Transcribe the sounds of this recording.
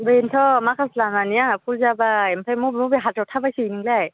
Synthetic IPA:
bentʰɔmakʰaslananijapʰulzabaɛmpʰamuubeɦatɔtʰabajsiiniɡlaj

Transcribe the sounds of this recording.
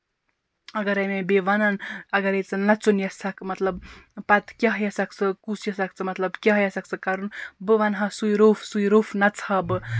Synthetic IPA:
ɐɡɐɾɐjmebeʋanɐnɐɡɐɾejt͡sɨnːɐt͡sunjɐsakmɐt̪lɐbpɐt̪kʲɐɦjɐsak̚t͡sʰɨkusjɐsakt͡sʰɨmɐt̪lɐbkʲɐɦjɐsak̚t͡sɨkaɾunbɨʋanɦɐsujɾofʰsuiɾoːfʰnɐt͡sʰabɨ

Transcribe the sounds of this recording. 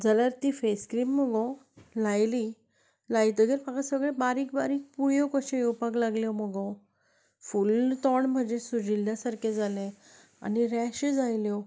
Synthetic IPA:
d͡zalaɾt̪iːfeskɾiːmːəɡɔ | lajli | lajt̪əɡeɾpakasəɡɭebaɾikbaɾiːk̚pujɔkɔɕẽjuwpaklaɡljɔməɡɔ | fult̪ɔɳm̤əd͡ʑesud͡ʑilːjasaɾked͡zʱalẽ | a̰niɾɛɕed͡zajljɔ

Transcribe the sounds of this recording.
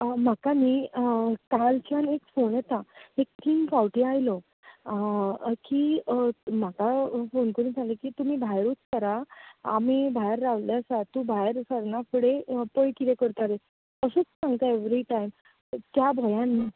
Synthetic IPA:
makamiːkalt͡ɕjanekfonjɛt̪aek̚t̪ʰiŋɡkawʈiajlɔ | kiːm̤akafonkəɾuːnd͡zʱalekiːt̪um̤iːbʱajɾuːt͡st̪əɾa̰ːmibʱajɾːaʋlesat̪ũbʱajɾsəɾnapəɽepəjkiɾekəɾt̪aɾe | əsət͡ssãŋɡt̪aeʋɾiʈajm | t̪jabʱɔjãnːi

